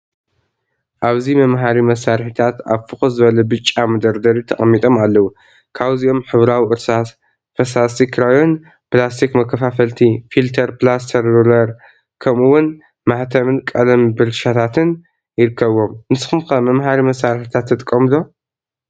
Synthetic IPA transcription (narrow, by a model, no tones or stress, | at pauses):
ʔaβzimɐmɦaɾimɐsːaɾħit̪ʰat̪aβfɨxozɨβɐlɐbɨt͡ʃʼːamɐd̪ɐɾd̪ɐɾit̪ʰɐχʼɐmːit̪ʼo̞malːɐwu | kʰaβziʔo̞mħɨβɾawiʔɨɾsas | fɐsast̪ʰikɾajo̞n | plast̪ʰikmɐkːɐfafɐlt̪ʰifilt̪ʰɐɾplas̬t̪ʰɐɾdolɐɾ | kʰɐmɨwːʊn | maħt̪ʰɐmɨnkʼɐlɐmbɨɾʃat̪ʰat̪ʰɨn | jɪɾɨkʰːɐβo̞mnɨsɨxɨmkɐmɐmhaɾimɐsːaɾħit̪ʰat̪ʰːɐt̪ʼkʼːɐmɨlo